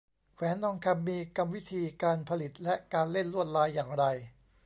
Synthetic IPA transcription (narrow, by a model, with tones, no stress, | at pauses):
kʰwɛː˩˦nd̪ɔ˧ŋkʰa˧mːiː˧ka˧mwi˦˥t̪ʰiː˧kaː˧npʰa˧li˨˩t̪̚lɛ˦˥ʔkaː˧nle˥˩nɾu˥˩ət̪̚laː˧˥jːaː˨˩ŋɾa˧j